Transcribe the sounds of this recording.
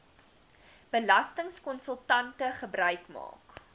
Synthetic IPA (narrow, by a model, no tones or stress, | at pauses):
b̥əlɐstəŋskɔnsəlˠtɐntəχəbrœɥkmɑ̰ːk